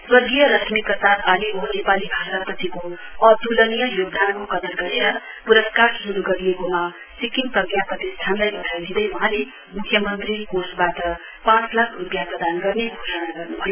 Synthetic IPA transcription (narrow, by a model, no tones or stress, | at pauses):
swʌɡijʌɾʌt̪ʰmikʌsat̪ʰaliɦonepalibʱaɾʌt̪pʌt̪ʰikoʌd̪ulʌnijʌjoɡd̪ankokʌd̪ʌnɡʌɾeɾʌ | puɾʌskaɾsuɾuɡʌɾijekoma | sikiŋpʌɡjaprʌt̪ist̪ʰanlajbʌnajod̪id̪ʌjwʌɦãle | mukʰːjʌmʌnt̪rikosbaʈʌ | pãt͡slakʰrupjaprʌd̪anɡʌrneɡʱosanaɡʌrnubʱʌjo